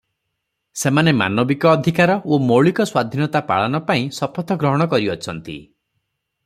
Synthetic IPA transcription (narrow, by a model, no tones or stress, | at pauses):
semanema̰nɔbikɔːd̪ʱikaɾɔʔomoɭikɔswad̪ʱinɔt̪apa̰ɭanɔpaĩsɔpʰɔt̪ʰɔɡɾɔɦɔɽ̃ɔkɔɾiɔt͡ʃʰɔnt̪ḭ